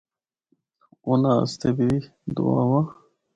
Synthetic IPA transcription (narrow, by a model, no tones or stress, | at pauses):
una̰ːst̪ebii | d̪ṵa̰wa